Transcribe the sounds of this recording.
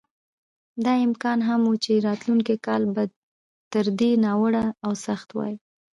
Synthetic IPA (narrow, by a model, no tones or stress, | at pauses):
d̪ɑɪmkɑnɦamwut͡ʃeɾɑt̪luŋkikɑlbad̪ | t̪əɾd̪enɑwəɽaːwsaxt̪wɑ̰ji